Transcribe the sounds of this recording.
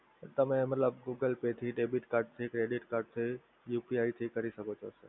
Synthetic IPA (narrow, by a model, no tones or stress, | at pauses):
t̪ɐmẽmɐt̪ləbɡuːɡəlpet̪ʰiɖeːbɪʈkɐɾʈ̚t̪ʰikɾeːɖɪʈkɐɾʈt̪ʰi | juːpiaːit̪ʰikɐɾisɐɡʱot͡ʃʰosə̰